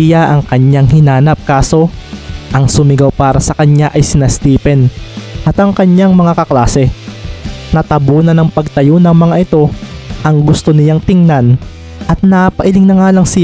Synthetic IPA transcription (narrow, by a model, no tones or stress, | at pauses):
jaʔɐŋkɐɲaŋhɪnaːnɐp̚kaːso̞ʔɐŋsʊmɪɡawpaːɾɐsɐkɐɲaʔɐjsɪnɐst̪iːpɛnʔɐt̪ɐŋkɐɲjaŋmɐŋakɐklaːsɛ | nɐt̪ɐboːnɐnɐŋpɐɡ̚t̪ɐjonɐŋmɐŋaʔɪt̪o̞ʔɐŋɡʊst̪o̞nɪjaŋt̪ɪŋnan | ʔɐt̪̚nɐpɐʔɪlɪŋnɐŋaːlɐŋsɪ